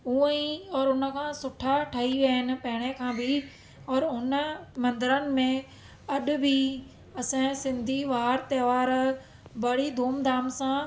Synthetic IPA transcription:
uẽĩɔːɾʊnəkʰãːsʊʈʰaʈʰaɦiʋɐɦɪnɪ̆pɐɦɪɽ̃ekʰãːbʱɪ | ɔːɾɦʊnəmɐ̃nd̪əɾənɪ̆mẽ | ɐɗʊ̆bʱi | ɐsẽsɪ̃nd̪ʱiʋaːɾt̪eːʋaːɾ | bɐɽ̤id̪ʱuːmd̪aːmsãː

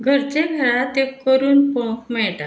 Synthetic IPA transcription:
ɡʱəɾt͡ɕeɡʱəɾat̪ekːəɾuːnpɔ̃kmɛɭʈa

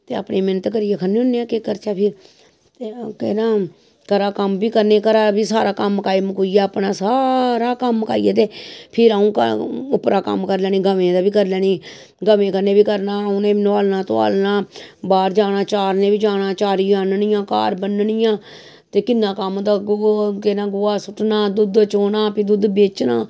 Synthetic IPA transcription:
t̪eːa̰ːpɳeːmɪnət̪kəɾɪjeːkʰənːeːʊnːeãːkekəɾt͡ʃaːpʰɪɾ | t̪eːkɛnãː | kəɾaːkəmbiːkəɾneːkəɾaːbiːsaːɾaːkəmkaːimkuijaːəpnaːsaːɾaːkəmka̰ːḭjeːt̪̬eːpʰɪɾaũːkəʊpɾaːkə̰mkəɾlɛːniːɡəmẽːd̪aːbiːkəɾlɛːniː | ɡəʋẽːkəɾnẽːbiːkəɾnaːʊnẽːnʋaːlnaːt̪õa̰ːlnaːbaːɾd͡ʒaːnaːt͡ʃaːɾnẽːbiːd͡ʒaːnãːt͡ʃaːɾiːãːnnijãːka̰ːɾbənnijãː | t̪eːkɪnːãːkəmd̪aːɡokɪnaːɡʊaːsʊʈnaːd̪ʊd̪t͡ʃoːnaːpid̪ʊd̪beːt͡ʃnaː

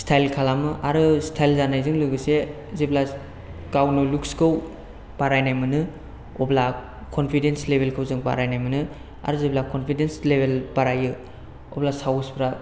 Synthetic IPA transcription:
stʰajlkʰalamɯʔaɾɯstʰajlzanajzɯŋlɯɡɯse | zebla | kawnɯlukskɯw | b̥aɾajnajmɯnɯ | ɔbla | kʰonpʰidenslebʱelkʰɯwzɯŋba̰ɾajnajmɯnɯ | a̰ɾɯzeblakʰonpʰidenslebelbaɾajɯ | ɔ̰blasawspɾa

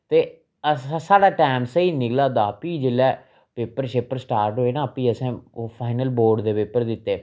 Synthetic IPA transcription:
t̪eː | əsãːsaːɽaːʈɛːmsiːnɪklaːd̪aːpiːd͡ʒɪlɛː | peːpəɾʃeːpəɾsʈaːɾʈɦoːeːnãːəpiːəsɛ̃ːpʰaːɪnəlboːɾɖd̪eːpeːpəɾd̪ɪt̪ːeː

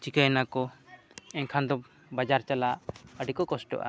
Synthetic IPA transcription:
t͡ʃikajnakɔ | ɛɲkʰand̪ɔp̚ | bad͡ʒaɾt͡ʃalaʔəɖikɔkɔsʈɔ̰ʔa̰

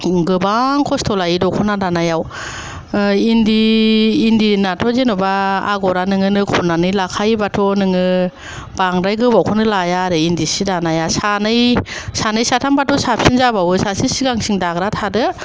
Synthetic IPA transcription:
ɡɯbaŋkʰɔstʰɔlajidɔkʰɔnadanajaw | indiː | ndinatʰɔzenɯbaa̰ɡɔɾanɯŋɯnɯkʰɔnːanɯjlakʰajbatʰɔnɯŋɯ | baŋɾajɡɯbawkʰɔnɯlajaɾɯindisidanajasanɯjsanɯjsatʰambatʰɔsap̚sinzabawɯsasisiɡaŋsiŋdaɡɾatʰadɯ

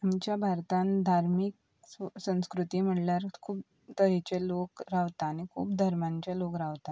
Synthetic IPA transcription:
amt͡ɕjabʱaɾt̪ãnd̪ʱaɾmik̚ | ssə̃w̃skɾut̪iːm̤əɽljaɾkʰuːp̚ | t̪əɦet͡ɕelokɾaʋt̪aːñikʰṵːpd̪ʱəɾmãɲt͡ɕalokɾaʋt̪a

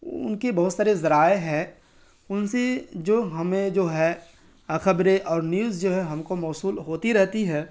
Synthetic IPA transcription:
ʊ̰nkebɐɦʊt̪saːɾezɐɾaːeɦɛ̃ː | ʊnsed͡ʒoːɦɐmẽd͡ʒoːɦɛ | xɐbɾeʔɔːɾnjuːzd͡ʒoːɦɛɦɐmkomɔːsuːlɦoːt̪iɾɛɦt̪iɦɛ̃ː

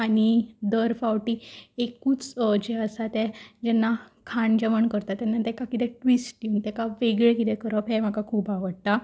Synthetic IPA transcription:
aɽ̃id̪əɾfaʋʈiekuːt͡sd͡ʑeəsat̪ɛd͡ʑɛnːakʰaɳd͡ʑəʋəɳkəɾt̪at̪ɛnːat̪ɛkakit̪ɛʈʋisʈːiunt̪ɛkaʋeɡɭɛkit̪ɛkəɾəpɦɛm̤akakʰuːpaʋəɽt̪a

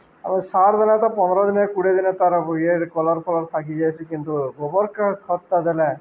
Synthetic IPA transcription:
amisaɾd̪ɛlɛt̪ɔpɔnɔɾɔd̪inekuɽed̪inet̪aɾbojeɾkɔlɔɾkɔlɔɾt̪ʰakid͡ʒajt͡ʃʰikint̪ubobɔɾkakʰɔt̪ːad̪ɛlɛ

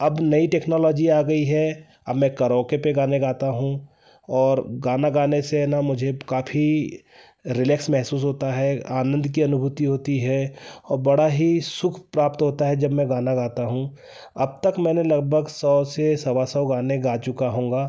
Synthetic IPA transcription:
ɐbnɐiʈeːknɔːlɔːd͡ʒiaːɡɐiɦɛ | ɐ̰bmɛ̃kɐɾɔːkepeɡaːneɡaːt̪aɦũ | ɔːɾɡaːnaɡaːnesenamʊd͡ʒʱekaːpʰi | ɾɪlɛːksmɛɦsuːs̬ɦoːt̪aɦɛaːnə̃nd̪ʱkiɐnʊbʱuːt̪iɦoːt̪iɦɛɔːɾbɐɽaɦisʊkʰpɾaːpt̪ɦoːt̪aɦɛd͡ʒɐbmɛ̃ɡaːnaɡaːt̪aɦũː | ɐb̚t̪ɐkmɛ̃ːnelɐɡ̚bʱəɡsɔːsesɐʋasɔːɡaːneɡaːt͡ʃʊkaɦõːŋɡaː

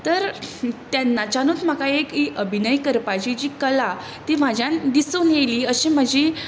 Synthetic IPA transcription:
t̪əɾt̪janːat͡ɕanuːt̪m̤akaekiʔəbʱinəikəɾpat͡ɕid͡ʑiːkəla | t̪iːm̤ad͡ʑjãnd̪isuːnjeliːəɕim̤əd͡ʑi

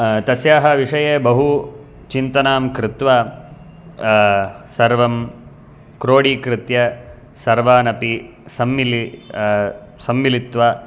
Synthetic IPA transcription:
t̪ɐsjaːɦɐʋiʂɐjeːbɐɦu | t͡ʃint̪ɐnaːmkɾɪt̪ʋaː | sɐɾʋɐm | kɾoːɽiːkɾɪt̪jɐ | sɐɾʋaːnɐpi | sɐmːili | sɐmːilit̪ʋa

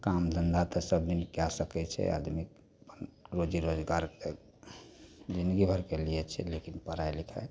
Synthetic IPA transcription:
kamd̪ənd̪at̪ɔsəbd̪inkjasəkɛt͡ʃʰɛ̰a̰d̪mik | əpənɾod͡ʒiɾod͡ʒɡaɾke | d͡ʒĩnd̪ɡibʱəɾkelijɛt͡ʃʰɛ̰lekinpəɾajlikʰa̰

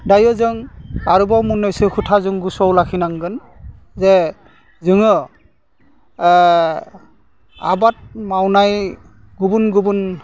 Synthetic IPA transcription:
dajɔzɯŋaɹubawmunɔjsɯkʰutʰazɯŋɡusɔwlakʰinaŋɡɯn | zɛ | zɯŋɯ | a̰bat̚mawnaj | ɡubunɡubun

